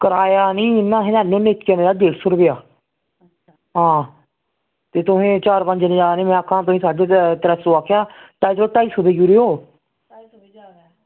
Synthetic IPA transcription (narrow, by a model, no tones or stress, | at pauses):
kəɾaːjaːnĩːnːãːɦẽnãːnːõːneːt̪kəneːaːɖeːɽsʊɾbeːaː | ɦãː | t̪eːt̪ʊsẽːt͡ʃaːɾpə̃ɲd͡ʒnĩːd͡ʒaːaːnĩːmɛ̃ːəkʰãːt̪ʊsĩːsaːɖeːt̪əɾəsoːaːkʰjaːʈaːisoːʈaːisʊd̪eːjuːɾeːoː